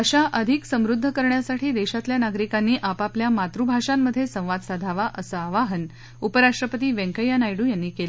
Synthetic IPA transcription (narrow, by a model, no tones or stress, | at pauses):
əɕaʔəd̪ʱiksəmɾud̪ʱːəkəɾɳjasaʈʰiːd̪eɕat̪ljanaɡɾikanːiːʔapapljamat̪ɾubʱaʂamːəd̪ʱːjesə̃w̃ʋad̪sad̪ʱaʋaʔəsəaʋaɦən | upəɾaʂʈɾəpət̪iːʋẽŋkəjːanajɽuːjanːiːkela